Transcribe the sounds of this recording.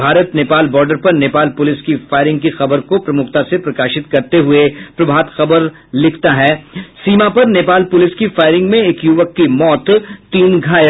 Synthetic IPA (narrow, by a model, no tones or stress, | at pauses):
bʱaːɾət̪neːpaːlbɔːɾɖəɾpɐɾneːpaːlpʊlɪskifaːɪɾɪ̃ŋɡkixɐbəɾkopɾɐmʊkʰt̪asepɾɐkaːʃɪt̪kɐɾt̪eɦʊepɾɐbʱaːt̪xɐbəɾ | lɪkʰt̪aɦɛːsiːmapɐɾneːpaːlpʊlɪskifaːɪɾɪ̃ŋɡmẽeːkjʊʋəkːimɔːt̪ːiːnɡʱaːj